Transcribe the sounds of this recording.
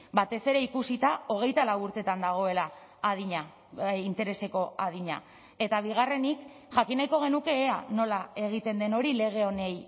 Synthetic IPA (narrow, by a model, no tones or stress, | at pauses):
bat̪e̞se̞ɾe̞ikusit̪ao̞ɣ̞e̞jt̪alawuɾt̪e̞t̪and̪aɣ̞o̞e̞la | aðiɲa | int̪e̞ɾe̞se̞ko̞aðiɲa | e̞t̪aβ̞iɣ̞are̞nik | ʝakinajko̞ɣ̞e̞nuke̞ːano̞lae̞ɣ̞it̪e̞nd̪e̞no̞ɾile̞ɣ̞e̞o̞ne̞j